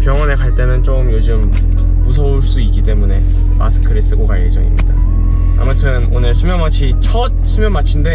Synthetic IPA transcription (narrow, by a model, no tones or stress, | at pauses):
pjʌŋwʌne̞kaɭt͈e̞nɯnt͡ɕ͈omjod͡ʑɯm | usʰʌuɭs͈uit̚k͈it͈e̞mune̞ | ma̰sʰɯ̥kʰɯɾes͈ɯɡoɡajed͡ʑʌŋimɲid̥a | a̰mutʰɯnonɯɭsʰumjʌŋmat͡ɕʰit͡ɕʰʌt̚sʰumjʌŋmat͡ɕʰinde̞